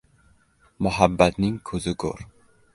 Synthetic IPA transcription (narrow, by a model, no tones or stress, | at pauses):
mʊhabːat̪nɪŋkʰɵzɪkʰo̰ɾ